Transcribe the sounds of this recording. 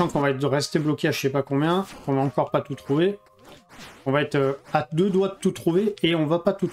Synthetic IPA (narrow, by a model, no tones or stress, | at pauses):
ɑ̃kɔ̃vaɛt̪χʁɛst̪eblɔkʲeaʒəsɛpakɔ̃bjɛ̃kɔ̃vaɑ̃kɔʁpat̪ut̪χuve | ɔ̃vaɛt̪øad̪ød̪waət̪ut̪χuveːɔ̃vapat̪ut̪